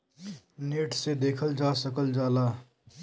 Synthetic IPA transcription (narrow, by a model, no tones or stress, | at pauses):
neːʈsed̪eːkʰəld͡ʒasəkəld͡ʒaːla